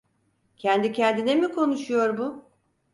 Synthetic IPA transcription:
cʰɛnd̪icʰɛnd̪inɛmikʰo̞nuʃujo̞ɾbu

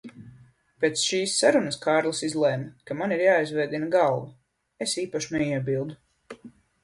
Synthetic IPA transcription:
peːt̪sʃiːsːaɾunɐskaːɾlˠasizlˠɛːmkamaniɾjaːizvɛːd̪ʲinaɡalˠvu | esiːpaʃnɛiɛbilˠd̪u

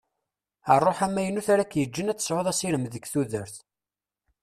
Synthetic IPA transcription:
ərˤːoħæmːæjənuθaɾækːjəd͡ʒːənæt͡sːə̥sʕoðˤæsiɾəmðəɡθuðəɾθ

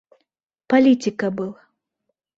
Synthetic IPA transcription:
palʲit̪ʲikɐbɨlˠa

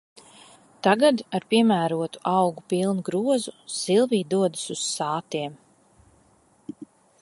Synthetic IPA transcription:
t̪aɡad̪aɾpʲiɛmæːɾuɔt̪u̥ʔawɡupilˠnuɡɾuɔzusilˠviːd̪uɔd̪ɨsussɑːt̪iɛm

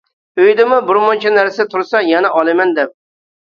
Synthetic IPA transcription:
ɵjd̪ɪmɪbʊɾmʊt͡ʃʰanæɾsat̪ʰʊɾsajanaʔɒlˠamand̪ɛp̚

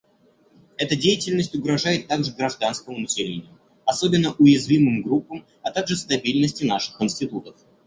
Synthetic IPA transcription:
ɛt̪ədʲejɪtʲɪlʲnəsʲtʲʊɡɾɐʐajɪt̪ːaɡʐɨɡɾɐʐd̪anskəmʊnəsʲɪlʲenʲɪjʊ | ɐsobʲɪnːəʔʊjɪzvʲimɨmɡɾupːəm | ɐt̪aɡʐɨst̪ɐbʲilʲnəsʲtʲɪnaʂɨ̥xɪnsʲtʲɪt̪ut̪əf

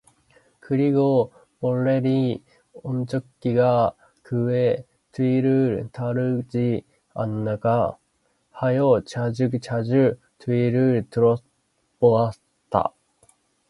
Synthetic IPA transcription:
kʰɯ̟ɾʲiɡo | boɾɾeɾʲi | õnt͡ɕokʲːiɡa | kʰɯe | t̪ɯiɾɯːɾɯ̰t̪ʰaɾɯd͡ʑi | a̰nːaka | hajot͡ɕaʑɨt͡ɕaʑɯ | t̪ʰɯiɾɯːɾɯ̟t̪ɯɾo | poas | t̪a̰

